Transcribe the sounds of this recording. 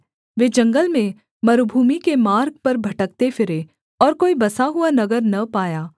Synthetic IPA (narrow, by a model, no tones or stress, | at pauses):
ʋeːd͡ʒɐ̃ŋɡəlmẽ | mɐɾubʱuːmikemaːɾɡ̚pɐɾbʱɐʈək̚t̪efʰɪɾe | ɔːɾkoːibɐsaɦʊanɐɡəɾnɐpaːjaː